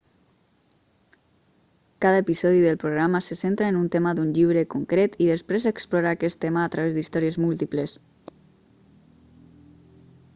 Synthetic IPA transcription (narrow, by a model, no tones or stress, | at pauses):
kaðaepisɔð̞iðelpɾoɣ̞ɾamasesent̪ɾaenunt̪emaðunʎiβɾekuŋkɾet̪iðespɾezeksplɔɾaːkɛst̪emaːt̪ɾaβezd̪ist̪ɔɾiezmulˠt̪iples